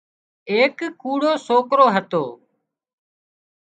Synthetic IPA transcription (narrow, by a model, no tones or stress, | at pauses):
eːkkːuːɽoːsoːkɾoːɦət̪o̰ː